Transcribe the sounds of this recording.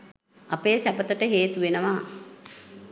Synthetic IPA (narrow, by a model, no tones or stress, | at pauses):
apeːsæpət̪əʈəɦeːt̪uʋenəʋaː